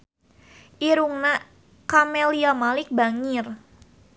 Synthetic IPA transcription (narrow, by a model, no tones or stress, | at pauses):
ʔiɾuŋna | kamɛliamalɪk̚baŋɪr